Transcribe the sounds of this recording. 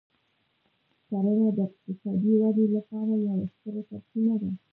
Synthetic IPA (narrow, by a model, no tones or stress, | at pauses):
saɾənad̪əɪq̚t̪ɪsɑd̪iwad̪elapɑɾajawaxk̪əɾat̪aɾsinad̪a